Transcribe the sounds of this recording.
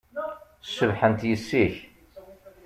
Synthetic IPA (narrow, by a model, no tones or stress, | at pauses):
sːəvħənt̪jəsːiç